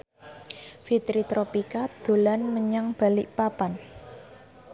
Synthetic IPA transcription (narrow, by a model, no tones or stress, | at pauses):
fit̪ɾit̪ɾopikad̪̥o̤lanməɲaŋb̥a̤lɪʔpapan